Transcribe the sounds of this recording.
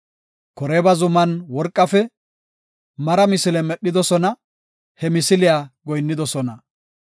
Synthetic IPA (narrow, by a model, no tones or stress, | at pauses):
kɔɾeːbɐzʊmɐnwɔɾkʼːɐfɛ | mɐɾɐmɪsɪlɛmɛɗːɪd̪ɔsɔnɐ | hɛmɪsɪlɪjaːɡɔjnːɪd̪ɔsɔnɐ